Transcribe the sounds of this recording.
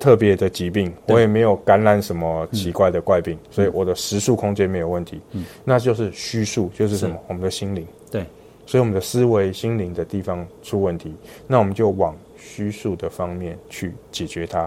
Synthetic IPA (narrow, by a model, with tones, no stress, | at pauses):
t̪ʰɤ˥˩pjɛ˨˧˦d̪ə˨t͡ɕi˧˥p̬i˥˩ŋwɔ˨˦jɛ˨˩me˧˥ɪjo˨˩ʊka˧˥nla˧˥˩nʂə˧˦nmə˧t͡ɕʰi˧˥kwa˥˩ɪd̪ə˩kwa˥˧ɪpi˥˩ŋswɔ˧˥i˨wɔ˨˩d̪ə˦ʂɻ̩˧˥su˥˨kʰʊ˥ŋt͡ɕjɛ˥nme˧˥ɪjo˨˩ʊwə˥˩nt̪ʰi˨˦na˥˧t͡ɕjo˥˧ʊʂɻ̩˥˩ɕy˥˦su˥˩t͡ɕjo˥˧ʊʂ̬ɻ̩˥˩ʂə˨˧˦nmə˨˩wɔ˨˩mə˨nd̪ə˨ɕi˥nli˧˥ŋ˩ | swɔ˧˥i˨wɔ˨˩mə˦nd̪ə˦sɹ̩˦we˧˥ɪɕi˥ŋli˧˥ŋd̪ə˧t̪i˥˩fɑ˦ŋʈ͡ʂʰu˦˥wə˥˩nt̪ʰi˨˧˦na˥˩wɔ˨˩mə˦nt͡ɕjo˥˩ʊwɑ˨˩ŋ | ɕy˥su˥˩d̪ə˩fɑ˦˥ŋmjɛ˥˨nt͡ɕʰy˥˩t͡ɕjɛ˨˩t͡ɕɥɛ˧˦t̪ʰa˦